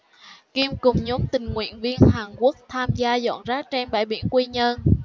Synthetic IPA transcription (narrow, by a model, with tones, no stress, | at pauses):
ki˧mkʊ˨˩ŋ͡mɲɔ˨˦mt̪ï˨˩ŋ̟ŋwḭ˧˨ənvi˧ənhaː˨˩ŋku˦˥ək̚t̪ʰaː˧mzaː˧zɔ̰˧˨nzaː˦˥t͡ɕɛ˧nɓa̰ː˧˩jɓi˧˩ənkwi˧ɲə˧n